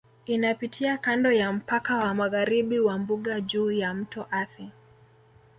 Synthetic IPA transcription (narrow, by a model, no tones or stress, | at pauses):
inapitʰiakandɔjam̩pakawamaɣaɾiɓiwambuɠaʄuːjam̩tɔʔaθi